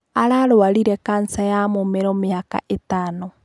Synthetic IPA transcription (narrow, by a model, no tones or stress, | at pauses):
aɾaɾoaɾiɾɛkansajamomeɾɔmeaka̰ʔetaːno